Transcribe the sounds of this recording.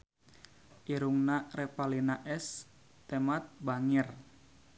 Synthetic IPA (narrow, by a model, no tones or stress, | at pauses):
ʔiɾuŋnarepalinaʔɛs | t̪emat̪̚baŋɪr